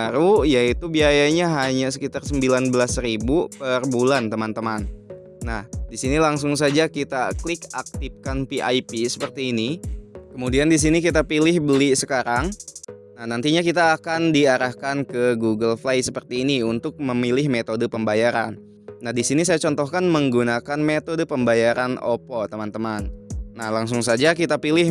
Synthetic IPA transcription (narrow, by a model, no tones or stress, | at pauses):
aɾujait̪ubiajaɲaɦaɲasəkit̪arsəmbilanbəlasɾibupərbulant̪əmant̪əmanː | ahdisinilaŋsʊŋs̬ad͡ʒakit̪aklɪkak̚t̪ɪfkanpiʔa̰jpisə̥pərt̪iːnikəmudiandis̬inikit̪apilɪhbəlisəkaɾaŋ | nahnant̪iɲakit̪aːkandiaɾahkankəɡuɡəlflajsəpərt̪iːniunt̪ʊk̚məmilɪhmet̪odəpəmbajaɾa̰nː | ahdisinisajat͡ʃɔnt̪ɔhkanməŋɡunakanmet̪odəpəmbajaɾano̰pɔt̪əmant̪əmanːahlaŋs̬ʊŋsad͡ʒak̬it̪apilɪ